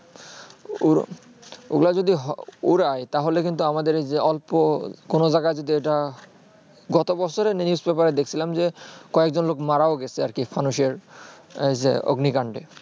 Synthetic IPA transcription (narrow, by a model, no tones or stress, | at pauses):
u | ṵɡlad͡ʑod̪iɦuɾajt̪aɦolekint̪uamad̪eɾed͡ʑeɔlpokonod͡ʑaɡajd͡ʑod̪ieʈa | ɡɔt̪obɔt͡ɕʰoɾennusbepaɾed̪ekʰt͡ɕʰilamd͡ʑekɔek̚d͡ʑonlokmaɾaoɡɛt͡ɕʰeaɾkifʰanuʃeɾejd͡ʑḛo̰ɡnikaɳɖe